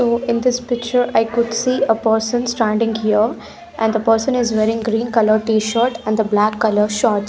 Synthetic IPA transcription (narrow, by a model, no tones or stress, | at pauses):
soːɪ̃nd̪ɪspɪk̚t͡ʃəɾaɪkʊɖsiːəpəɾsə̃nsʈæ̃ɳɖɪ̃ŋɡhiə | ʔɛ̃nd̪əpəːɾsə̃nɪzʋeːɾɪ̃ŋɡɾĩːnkʌləɾʈiːʃəɾʈɛ̃nd̪əblækːʌləɾʃɔːʈ